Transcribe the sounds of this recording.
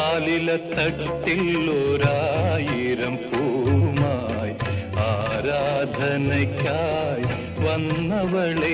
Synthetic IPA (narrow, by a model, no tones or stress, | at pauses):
aːlilɐt̪ɐʈːilːoɾaːjiɾɐmpumaːjiaːɾaːd̪ʱɐnɐkaːj | ʋɐnːɐʋɐɭɐ